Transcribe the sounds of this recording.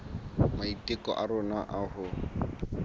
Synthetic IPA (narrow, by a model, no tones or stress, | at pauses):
maitʼɪkɔ̰ʔarʊnaʔahʊ